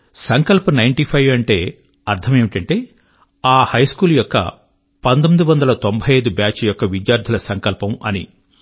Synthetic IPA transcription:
sɐŋkɐlpunɐjɳʈipʰɐjʋɐɳʈe̞ː | ɐɾt̪ʰɐmeːʋiʈɐɳʈe̞ː | aːhɐjskuːljɔkːɐ̰ | pɐnt̪omid̪uʋɐnd̪ɐlɐt̪ombʱɐjɐjd̪ubaːt͡ʃjɔkːɐʋid͡ʒjaːɾd̪ʱulɐsɐŋkɐlpɐmɐ̰ni

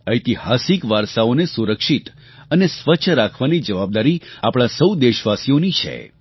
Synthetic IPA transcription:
əjt̪ihasikʋaɾʃaonesuɾəkʃit̪ | ənesʋəːt͡ʃʰɾakʰʋanid͡ʒəʋab̚d̪aɾiapɽ̃asəwd̪eʃʋasijonit͡ʃʰḛ

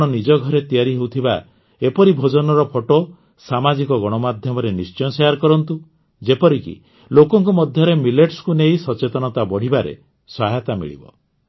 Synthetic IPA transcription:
ɽ̃ɔnid͡ʒɔɡʱɔɾet̪ijaɾiɦewt̪ʰiba | epɔɾibʱod͡ʒɔnɔɾɔpʰoʈo | samad͡ʒikɔɡɔɽ̃ɔmad̪ʱjɔmɔɾenist͡ʃɔjsejaɾkɔɾɔnt̪u | d͡ʒepɔɾikḭ | lokɔŋkumɔd̪ʱjɔɾemileʈskunejsɔt͡ʃet̪ɔñɔt̪abɔɽ̤ibaɾḛ | swaɦat̪amḭɭḭbɔ̰

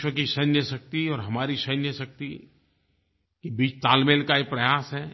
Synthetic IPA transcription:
ʃwəkiʃɐnjəsɐk̚t̪iɔːɾɦɐmaːɾiʃɐnjəsɐk̚t̪i | kibiːt͡ʃt̪aːlmeːlkaepɾɐjaːsɦɛː

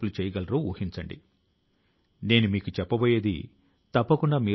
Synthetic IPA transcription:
pulut͡ʃɛːjɐɡɐlɐɾuːṵːhiɲt͡ʃɐɳɖḭ | ne̞ːnumiːkut͡ʃɛpːɐboːjeːd̪ḭ | t̪ɐpːɐkuɳɖaːmiː

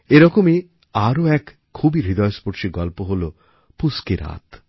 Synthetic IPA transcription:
eɾɔkomi | aɾoɛk | kʰːubiɾid̪ɔespoɾʃiɡɔlpoɦolo | puskeɾa̰t̪

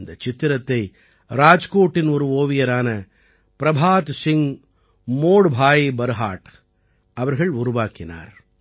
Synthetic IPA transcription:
nd̪ɐt͡ʃɪt̪ːɪɾɐt̪ːɐɪ | ɾaːd͡ʒkoːʈːɪnɔɾɯoːʋɪjɐɾaːnɐ | pɪɾɐbʱaːt̪sɪŋ | moːɽbʱaːjbɐɾɯɦa̰ːʈ | ɐʋɐɾɣɐɭʊɾʊʋaːkɪna̰ːɾ

